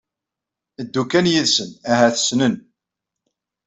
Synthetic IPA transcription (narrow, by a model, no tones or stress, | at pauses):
əd̪ːukːænjiðsənæɦæθə̥snən